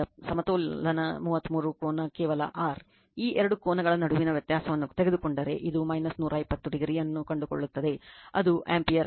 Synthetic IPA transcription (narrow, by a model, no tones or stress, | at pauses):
sɐmɐt̪oːllɐnɐmuːʋɐt̪ːmuːɾukoːnɐkɛːʋɐlɐ̰ʔaːɾ | iːʔɛɾɐɽukoːnɐɡɐɭɐnɐɽuʋinɐʋjɐt̪jaːsɐʋɐnːut̪eɡe̞d̪uko̞ɳɖɐɾe̞̰ʔid̪umɐjnɐsnuːɾɐijpːɐt̪ːuɖiɡɾijɐnːukɐɳɖuko̰ɭːut̪ːɐd̪e̞ɐ̰d̪uʔeːmpijɐɾ